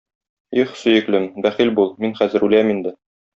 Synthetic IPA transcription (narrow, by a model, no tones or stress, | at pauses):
iχsɵ̆jɘ̆klɘmbæχilbulˠminχæzɘ̆ɾʉlæmind̪ɘ